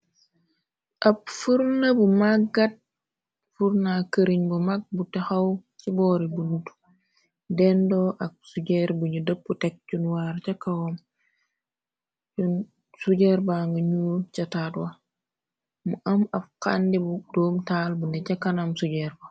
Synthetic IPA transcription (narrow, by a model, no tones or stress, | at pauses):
ʔɐp̚fuɾnɐbumaɡːat̚ | fuɾnakəɾiɲbumak̚butɛxɐwt͡ʃibɔːɾibunutu | dɛndɔʔɐk̚suɟɛɾbuɲudəpːutɛk̚t͡ʃunwaːɾt͡ʃɐkːɐwɔm | t͡ʃun | suɟɛɾbaŋɡɐɲut͡ʃɐtatwɐ | muʔɐmɐb̚kandibudɔːmtaːlbundɛt͡ʃɐkːɐnamsuɟɛɾbɐ